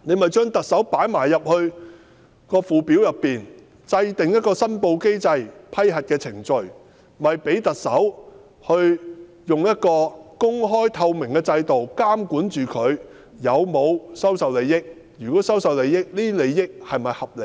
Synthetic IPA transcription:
ne˨˧jmɐ˨jt͡ʃœː˥ŋt̪ɐ˨k̚sɐ˨˥wpaː˨˥jmaː˨˩jːɐ˨p̚hɵ˧ɥ | kɔː˧fuː˨pi˨˥wjɐ˨pːiː˨n | t͡sɐ˧jt̪ɪ˨ŋjɐ˥t̚kɔː˧sɐ˥npo˧wke˥jt͡sɐ˧jpʰɐ˥jɦɐ˨t̚kɛː˧t͡sʰɪ˨˩ŋt͡ʃɵ˨ɥ | mɐ˨jpe˨˥jt̪ɐ˨k̚sɐ˨˥w | hɵ˧ɥ | jʊ˨ŋjɐ˥t̚kɔː˧kʊ˥ŋɦɔː˥jt̪ʰɐ˧wmɪ˨˩ŋkɛː˧t͡sɐ˧jt̪o˨wkaː˥mkuː˨˥nt͡ʃyː˨kʰɵ˨˧ɥ | jɐ˨˧wmo˨˧wsɐ˥wsɐ˨˧wle˨˧jːɪ˥k̚ | jyː˨˩kɔː˨˥sɐ˥wsɐ˨˧wle˨˧jɪ˥k̚liː˥le˨˧jːɪ˥k̚hɐ˨jmɐ˨jhɐ˨p̚le˨

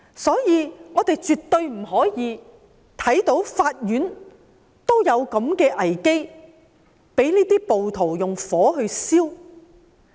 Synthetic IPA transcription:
sɔː˨˥jiː˨˧ŋɔː˨˧t̪e˨jt͡ʃyː˨t̪ːɵ˧ɥm̩˨˩hɔː˨˥jiː˨˧ | t̪ʰɐ˨˥jt̪o˨˥wfaː˧t̚jyː˨˥n | t̪o˥wjɐ˨˧wkɐ˨˥mkɛː˧ʔɐ˨˩jke˥j | pe˨˥jniː˥t̪iː˥po˨wt̪ʰo˨˩wjʊ˨˩ŋfɔː˨˥ɦɵ˧ɥsiː˥w

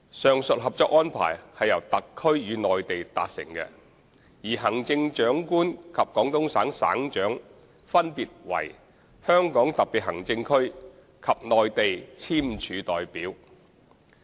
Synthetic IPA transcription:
sœː˨ŋsɵ˨t̚ɦɐ˨p̚t͡ʃɔː˧k̚ŋɔː˥npʰa̰ː˨˩jhɐ˨jɐ˨˩wt̪ɐ˨kʰːɵ˥ɥːyː˨˧nɔː˨jt̪e˨jt̪a̰ː˨t̚sɪ̰˨˩ŋkɛ̰˧ | jiː˨˩ɦɐ˨˩ŋt͡sɪ˧ŋt͡ʃœː˨˥ŋkuː˥nkʰɐ˨p̚kɔː˨˥ŋt̪ʊ˥ŋsaː˨˥ŋsa̰ː˨˥ŋt͡ʃœː˨˥ŋ | fɐ˥npiː˨t̚wɐ̰˨˩j | hœː˥ŋkɔː˨˥ŋt̪ɐ˨k̚piː˨t̚hɐ˨˩ŋt͡sɪ˧ŋkʰɵ˥ɥ | kʰɐ˨p̚nɔː˨jt̪e˨jt͡sʰiː˥m˨t͡ʃʰyː˨˧t̪ɔː˨jpiː˨˥w

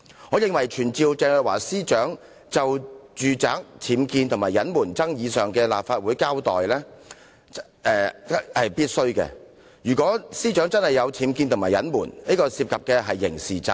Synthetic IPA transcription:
hɔː˨˧jɪ˨˧ŋwɐ˨˩jt͡ʃʰyː˨˩nt͡siː˧wt͡sɛː˧ŋlə˧waː˨˩siː˥t͡ʃœː˨˥ŋ | t͡sɐ˨wt͡ʃyː˨t͡saː˨˥k̚t̪ʰiː˨˥mkiː˧nt̪ʰʊ˨˩maː˨˩jɐ˨˥nmuː˨˩nt͡sɐ˥ŋjiː˨˧sœː˨˩ŋkɛː˧la̰ː˨p̚faː˧t̚wuː˨˥jkaː˥wt̪ɔː˨jlɛː˥ | ɛ˧˥hɐ˨jpiː˥t̚sɵ˥ɥkɛ̰˧ | jyː˨˩kɔː˨˥siː˥t͡ʃœː˨˥ŋt͡sɐ˥nhɐ˨jɐ˨˧wt̪ʰiː˨˥mkiː˧nt̪ʰmaː˨˩jɐ̰˨˥nmuː˨˩nniː˥kɔː˧siː˧p̚kʰɐ˨p̚kɛː˧ɦɐ˨jːɪ˨˩ŋsiː˨t͡sa̰ː˨˧˥k̚

